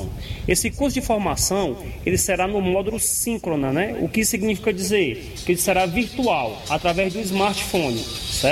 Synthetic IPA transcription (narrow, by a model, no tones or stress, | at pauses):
esɪkuɾs̬ʊd͡ʒĩfoɾmasɐ̃w̃ | elɪseɾanʊmɔd̪ulʊsĩkɾonɐnɛʊ̰kɪsiɡnifikɐd͡ʒizeɾ | kɪelɪseɾaviɾt̪uaw | at̪ɾavɛzd̪ʊizmaɾt͡ʃfõnɪ̰sɛ